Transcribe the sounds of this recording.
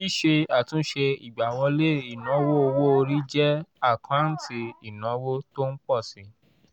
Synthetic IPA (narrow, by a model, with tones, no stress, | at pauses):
i˦ʃe˧a˦˨tũ˨˦ʃe˧i˨ɡ͡ba˨wɔ̃˧le˦˨i˨nɔ̃˨˦wo˦o˧wo˦o˧ɾi˦d͡ʒɛ˦a˦˨kʰã˨˦n̩˦tʰi˧i˨nã˨˦wo˦to˦n̩˦k͡pɔ˦˨sĩ˨˦